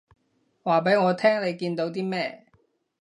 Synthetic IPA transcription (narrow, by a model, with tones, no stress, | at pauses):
waː˨˩pe˨˥jŋɔː˨˧t̪ʰɛː˥ŋle˨˧jkiː˧nt̪o˨˧wt̪iː˥mɛː˥